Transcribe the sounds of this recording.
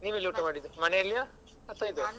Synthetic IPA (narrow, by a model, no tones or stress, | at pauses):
niːʋiliuːʈɐmaːɽid̪ːumɐnejɐlːijaː | ɐt̪ːajd̪e